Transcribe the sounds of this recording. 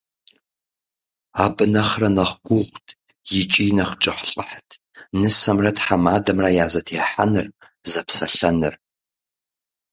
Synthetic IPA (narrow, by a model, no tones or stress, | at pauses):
aːbɨnɐχrɐnɐχɡʷʊʁʷtʰ | jɪt͡ʃʼinɐχt͡ʃʼɪħʷɬʼəħtʰ | nɨsɐmrɐtħamaːdɐmraːjaːzɐtʰeħa̰nɨr | zɐpsɐɬɐnɨ̰r